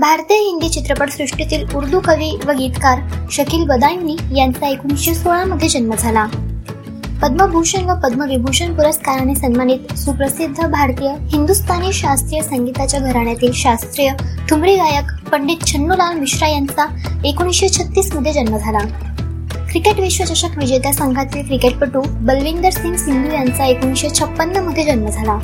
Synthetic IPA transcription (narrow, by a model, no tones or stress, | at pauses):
bʱaɾt̪ijəɦiŋɡet͡ɕit̪ɾəpəɽsɾuʂʈit̪iːluɾd̪ʱukəʋiːʋəɡiːt̪kaɾɕəkiːlbəd̪ajnːiːjant͡saekuɽ̃isɕesoɭ̃aməd̪ʱːjed͡ʑənməd͡zʱala | pəd̪məbʱuɕənʋəpəd̪məʋibʱuɕənpuɾəskaɾañisənmaniːt̪supɾəsid̪ʱːəbʱaɾt̪ijəhind̪ust̪ʰaniɕast̪ɾijəsaŋɡit̪at͡ɕjaɡʱəɾaɳjat̪iːlɕast̪ɾijəʈ̪ʰumɾiːɡajəkpəɳɖiːt̪̚t͡ɕʰənːulalmiɕɾajant͡sa | ekoɽ̃ĩɕet͡ɕʰət̪ːiːsməd̪ʱːjed͡ʑənməd͡zʱala | kɾikeʈʋiɕʋət͡ɕaɕəkʋid͡ʑet̪asəŋɡʱat͡s̪ikɾikeʈ̚pəʈuːbəlʋind̪əɾsiŋɡsind̪ujant͡saekoɽ̃iɕet͡ɕʰəpːənːəməd̪ʱːjed͡ʑənməd͡zʱala